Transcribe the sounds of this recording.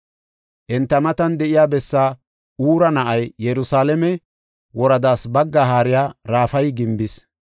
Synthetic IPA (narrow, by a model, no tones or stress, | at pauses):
ʔɛnt̪ːɐmɐt̪ɐnd̪ɛʔɪjaːbɛsːaː | uːɾɐnɐʔɐjjɛɾʊsaːlɛmɛ | wɔɾɐd̪aːsbɐɡːaɦaːɾɪjaːɾaːfɐjɡɪmbɪs